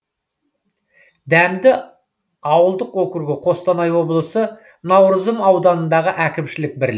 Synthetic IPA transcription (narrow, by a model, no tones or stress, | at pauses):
d̪æmd̪ɪ | ɑwəlˠd̪əqwokʲɪɾɡʲɪqʰo̞st̪ɑnɑjwo̞blˠəsə | nɑwɾəzəmɑwd̪ɑnənd̪ɑʁəʔækʲɪmʃɪlɪk̚bɪɾl